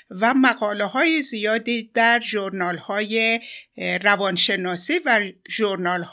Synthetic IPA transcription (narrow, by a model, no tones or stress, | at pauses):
væmæɣɒːlehɒːjizijɒːd̪iːd̪̥æɾʒoɾnɒːlhɒːje | rævɒnʃe̞nɒːsiːvæʒoɾnɒːlh